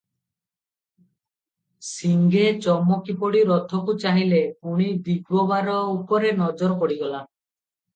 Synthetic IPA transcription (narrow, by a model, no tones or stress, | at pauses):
siŋɡet͡ʃɔmɔkipɔɽiɾɔt̪ʰɔkut͡ʃaɦilepuɽ̃id̪iɡwɔbaɾɔupɔɾenɔd͡ʒɔɾɔkɔɽiɡɔla